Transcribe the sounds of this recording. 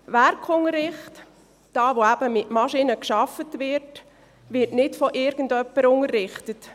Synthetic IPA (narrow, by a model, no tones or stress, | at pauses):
ʋæɾkʰʊŋəɾɪχt | d̥ɑːʋoæb̥əmɪtmɑʃinəkʃɑfətʋɪɾt | ʋɪɾtnɪtfɔʔɪɾɡ̥ən̩dœpːəɾʊŋərːɪχtət